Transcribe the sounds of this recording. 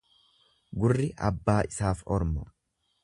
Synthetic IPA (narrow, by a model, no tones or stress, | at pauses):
ɡʊrːɪʔɐbːaːʔɪsaːfɔɾmɔ